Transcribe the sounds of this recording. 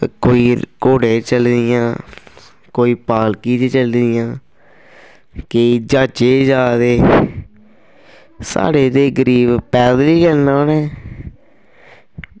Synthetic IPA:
koːiːkoːɽẽːt͡ʃəld̪ɪjãː | koːiːpaːlkiːd͡ʒeːt͡ʃəld̪ɪjãː | keid͡ʒaːt͡ʃeːd͡ʒaːd̪eː | sa̰ːɽeːd̪eːɡəɾiːbpɛːd̪liːkəlnaːnɛː

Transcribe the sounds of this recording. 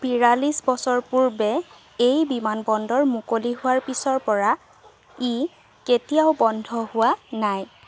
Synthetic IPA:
biɹalisbɔsɔɹpuɹbɛ | ejbimanbɔndɔɹmukoliɦʊaɹpisɔɹpɔɹa | i | ketijaʊbɔndʱɔhʊwanaj

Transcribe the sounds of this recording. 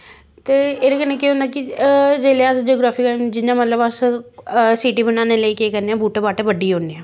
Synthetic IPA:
t̪eːeːɾekənẽːkeːɦõːnd̪aːkɪd͡ʒeːleːasd͡ʒoːɡɾaːpikəd͡ʒɪnãːmət̪ləbəs | siːʈiːbənaːneːləiːkeːkɛːneãːbuːʈebaːʈeːʋəɖiːɦõːnd̪eãː

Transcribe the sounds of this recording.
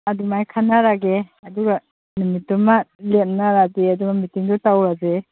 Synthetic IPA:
ɐdumajkʰanaɾaɡeɐduɡa | numitːumalem̚naɾazeadumamitiŋdutawɾaze

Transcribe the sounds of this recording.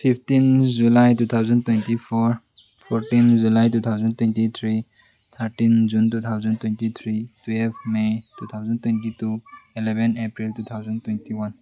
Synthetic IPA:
pʰipʰtind͡ʒulajtut̪ʰawzantwentipʰɔɾ | pʰɔɾtind͡ʒulajtut̪ʰawzantwentit̪ʰɾi | t̪ʰaɾtind͡ʒuntut̪ʰawzantwentit̪ʰɾitwelbʰmejtut̪ʰawzantwentituilebʱenepɾiltut̪ʰawzantwentiwan

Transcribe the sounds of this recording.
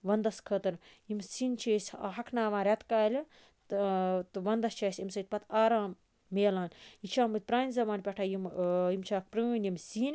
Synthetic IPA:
ʋɐnd̪ɐskʰət̪ɨɾjimsinʲt͡ʃʰeːsʲa̰ɦɐkʰnaːʋãːnɾʲɐt̪kaːlʲi | t̪t̪ɨʋɐnd̪ɐst͡ʃʰaːsʲimsɐjt̪̚ʲpɐt̪ʰaːɾãːm | meːlaːnʲjit͡ʃʰaːmɨt̪̚ʲpɾaːnʲzɐmaːnʲpʲɐʈʰaːjimimt͡ʃʰaːk̚pɾɐnjimsiːnʲ

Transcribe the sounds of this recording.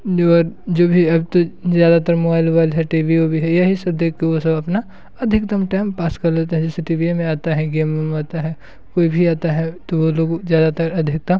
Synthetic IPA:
ɔːɾd͡ʒoːbʱiɐbt̪ozjaːd̪at̪ɐɾmoːbaːɪlbaːɪlɦɛʈiːʋiobʱiɦɛjɐɦisɐb̚d̪eːkʰkeʋosɐbɐpna | ɐd̪ʱɪkd̪əmʈaːɪmpaːskɐɾlet̪aɦɛ̃d͡ʒɛseʈiːbiemẽaːt̪aɦɛɡeːmemaːt̪aɦɛ | koːibʱiaːt̪aɦɛt̪oʋoloːɡzjaːd̪at̪ɐɾɐd̪ʱɪk̚d̪ɐm

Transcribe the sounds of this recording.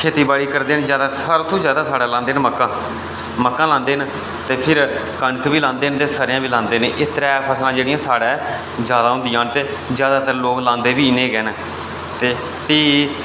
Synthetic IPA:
kʰeːt̪iːbaːɽiːkəɾd̪eːnd͡ʒjaːd̪aːsaːɾoːt̪ʰõːzjaːd̪aːsaːɽaːlãːnd̪eːnməkːãː | məkːãːlãːnd̪eːn | t̪eːpʰɪɾkəɳkʋiːlãːnd̪eːnt̪eːsəɾjãːbiːlãːnd̪eːneːʔɪt̪ɾɛːpʰəslãːd͡ʒeːɽɪjãːsaːɽaː | zjaːd̪aːɦʊ̃nd̪ɪjãːnt̪eː | zjaːd̪aːt̪əɾloːklãːnd̪eːʋiːɪneːɡɛːn | t̪eː | t̪iː

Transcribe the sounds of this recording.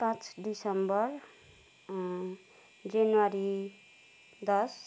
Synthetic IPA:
pãt͡sɖisʌmbʌr | d͡zanwaɾi | d̪ʌs

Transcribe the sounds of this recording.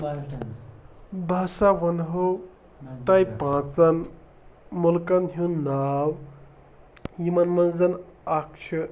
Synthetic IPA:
bʱasaʋənɦow | t̪ajpãt͡san | mulkanɦiwnːaw | jimanmənd͡zənakʃʰə

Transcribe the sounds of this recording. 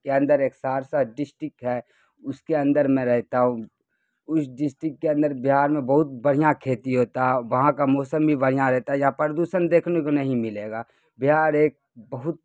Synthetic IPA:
keɐ̃nd̪əɾeːksaːɾsaɖɪsʈɪkɦɛː | ʊskeɐ̃nd̪əɾmẽɾɛɦt̪aɦũ | ʊsɖɪsʈɾɪkːeɐ̃nd̪əɾbɪɦaːɾmẽbɐɦʊt̪̚bɐɽ̤ijãkʰeːt̪iɦoːt̪aɦɛʋɐɦãkamɔːsəmbʱibɐɽ̤ijãɾɛɦt̪aɦɛjãpəɾd̪uːsənd̪eːkʰnekonɐɦĩmɪleːɡaː | bɪɦaːɾeːk̚bɐɦʊt̪̚

